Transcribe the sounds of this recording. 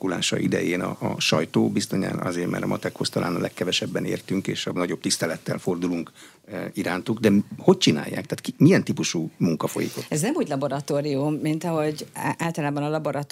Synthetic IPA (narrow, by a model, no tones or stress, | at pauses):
kulaːʃɒ̰ʔid̪ɛjeːnɒːʃɒjt̪oːbist̪oɲa̰nɒ̰zeːrmɛ̰ɾɒmɒt̪ɛkhost̪ɒlʔaːnɒ̰lʔɛkːɛvɛʃɛbːɛnḛːrt̪yŋkeːʃɒnɒɟo̞b̚t̪ist̪ɛlɛt̪ːɛlfo̞rd̪uluŋk | iɾaːnt̪uɡd̪ɛho̞c̚t͡ʃina̰ːjːa̰ːkt̪aːt̪kimijɛnt̪ipuʃumuŋkɒfo̞̰jḭkoɛznɛmuːɟlɒbo̞ɾɒt̪oːɾiumːint̪ɒɦo̞ɟʔaːlt̪ɒlaːbɒnɒlɒboɾɒt̪